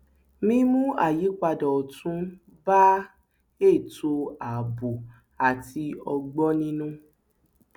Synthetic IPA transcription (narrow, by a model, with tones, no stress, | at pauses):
mĩ˦˧˦mũ˦a̰˦˨ji˨˦k͡pa˧dɔ˨tũ˨˦ | ba˦ | e˦˨to˧a˨bu˨ | a˨ti˧ɔ˧ɡ͡bɔ˦nĩ˦nũ˦